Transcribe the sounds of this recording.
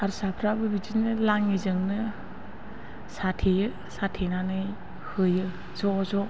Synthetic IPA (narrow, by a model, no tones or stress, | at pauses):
aɾsapʰɾabɯbid͡ʒinɯlaŋizɯŋnɯ | satʰejɯ | satʰenanɯj | hɯjɯ | zɔzɔ